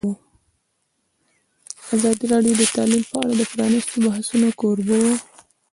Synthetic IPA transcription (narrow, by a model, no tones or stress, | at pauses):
azɑd̪iɾɑɖjod̪ət̪ɑlimpəaɽad̪əpɾɑnɪst̪obahsunokoɾbawo